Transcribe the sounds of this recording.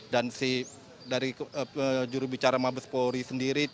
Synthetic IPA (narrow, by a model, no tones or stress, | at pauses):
dansih | daɾiəd͡ʒuɾubit͡ʃaɾamabəspoɾisəndiɾi